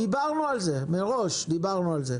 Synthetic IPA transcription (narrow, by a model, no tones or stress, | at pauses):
ibaʁnualze̞meʁo̞ʃd̪ibaʁnualze̞